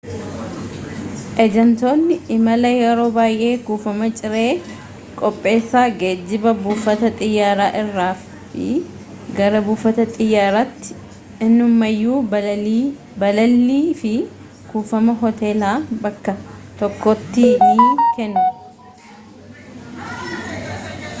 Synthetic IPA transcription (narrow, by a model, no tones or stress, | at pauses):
ʔɛd͡ʒɛnt̪o̞ːnːɪɪmɐlɐjɛɾo̞ːbaːjʔe̞ːkuːfɐmɐt͡ʃʼɪɾe̞ː | kʼɔpʼːe̞ːsːaːɡeːd͡ʒːɪbɐbuːfɐt̪ɐt̪ʼɪjːaːɾaːʔɪrːaːf | ɪ̰ | ɡɐɾɐbuːfɐt̪ɐt̪ʼɪjːaːɾaːt̪ːɪ̥ | ɪnːʊmːɐjːuː | bɐlɐlːiːfɪ | kuːfɐmɐɦɔt̪e̞ːlaːbɐkːɐt̪ɔkːɔt̪ːiːniːkɛnːʊ